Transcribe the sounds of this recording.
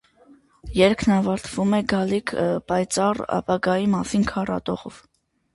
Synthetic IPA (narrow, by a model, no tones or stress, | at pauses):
jɛɾkʰnɑvɑɾt̪ʰv̥umɛɡɑlikʰpɑjt͡sɑrɑ̰pɑɡɑjimɑsinkʰɑrɑ̰t̪ɔʁɔ̰v̥